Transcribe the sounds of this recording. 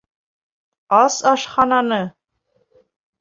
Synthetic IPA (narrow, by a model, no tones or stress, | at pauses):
ɑsɑʃχɑnɑnɤ